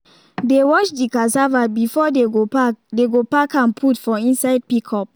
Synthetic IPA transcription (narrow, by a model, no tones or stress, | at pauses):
dewɔt͡ʃdikasavabifɔdeɡodeɡopakãnpʰutfɔ̃ĩnsaɪd̚pikʰɔp̚